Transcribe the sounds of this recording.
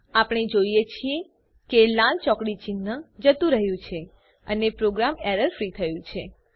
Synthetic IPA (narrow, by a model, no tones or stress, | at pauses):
apɳ̃ed͡ʒoijet͡ʃʰie | kelãlt͡ʃɔkɽit͡ʃinːəd͡ʒət̪ũɾəɦjũt͡ʃʰe | ənepɾoɡɾameɾəɾfɾit̪ʰəjũt͡ʃʰe